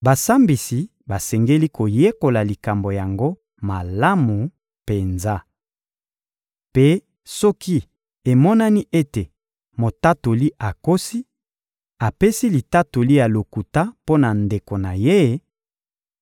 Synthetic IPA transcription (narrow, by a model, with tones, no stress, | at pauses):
ba˨sa˦mbi˨si˨ | ba˨sɛ˨ŋɡe˦li˦ko˨je˦ko˨la˨li˨ka˨mbo˨ja˨ŋɡo˦ | ma˨la˦mu˨ | pe˨nza˦ | pe˦ | sɔ˦ki˦ | e˨mɔ˦na˦ni˦ʔe˦te˨ | mo˨ta˦to˨li˦ʔa˨ko˦si˦ | a˨pe˦si˦li˨ta˦to˨li˦ja˨lo˨ku˨ta˦po˦na˨nde˨ko˨na˨je˦